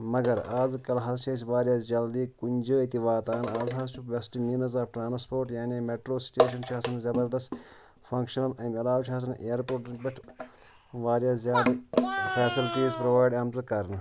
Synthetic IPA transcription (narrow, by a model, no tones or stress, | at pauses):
mɐɡɐɾaːzkɐlɦɐzt͡ʃʰis̬iʋaːɾjaːsd͡ʒɐld̪iːkunʲd͡ʒəit̪iʋaːt̪aːnaːzɦɐzt͡ʃʰuʋʲɐsʈimiːnɐzaːfʈɾaːnspoːɾʈjaːneːmeːʈɾoːsi̥ʈeːʃ̬ɐnt͡ʃʰiɐsɐnzɐbɐɾd̪ɐst̪ | fʰɐ̃ŋkʃɐnɐlɐːmɐlaːʋt͡ʃʰɦɐs̬ɐnʔeːɾpoːɾʈɾt͡ʃʲbɐʈʰ | ʋaːɾjaːszjaːd̪fʰɛːsilʈiːzpɾɐʋaːjɖɐmzɐkɐɾnɨ